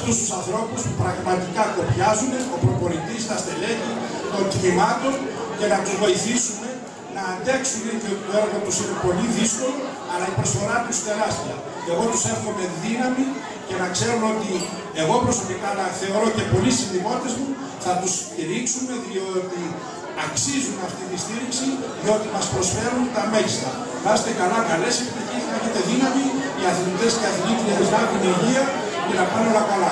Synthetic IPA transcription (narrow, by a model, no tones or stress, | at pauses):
ɐft̪ust̪usɐnθɾo̞puspupɾɐɣmɐt̪ikɐko̞pçɐzuneopɾo̞po̞lit̪ist̪ɐst̪e̞le̞ci | t̪o̞ɲcinimɐt̪o̞n | ce̞nɐt̪uzvo̞iθisume̞ | nɐːnd̪e̞ksumetio̞t̪it̪oeɾɣot̪usinepo̞liðisko̞lo | ɐlɐipɾo̞sfo̞ɾɐt̪ust̪e̞ɾɐst̪iɐ | e̞ɣo̞t̪use̞ɾxo̞me̞ðinɐmi | ce̞nɐkse̞ɾuno̞t̪i | e̞ɣo̞pɾosopikɐnɐθe̞o̞ɾo̞ce̞po̞lisinðimot̪e̞zmu | θɐt̪ust̪iɾiksume̞ðio̞t̪i | ɐksizunɐft̪it̪ist̪iɾiksiðio̞t̪imɐspɾo̞sfe̞ɾunt̪ɐme̞ʝist̪ɐ | nɐst̪ekɐlɐkɐle̞sept̪içisnɐeçet̪e̞ðinɐmi | iɐθilit̪e̞sceɐθicit̪ɾiezɣɐɣuniʝiɐ | cenɐpɐneolɐkɐlɐ